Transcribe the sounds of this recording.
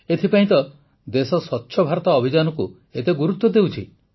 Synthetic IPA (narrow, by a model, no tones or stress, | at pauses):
et̪ʰipaĩt̪ɔ | d̪esɔswɔtːʃʰɔbʱaɾɔt̪ɔːbʱid͡ʒanɔku | et̪eɡuɾut̪wɔd̪ewt͡ʃʰi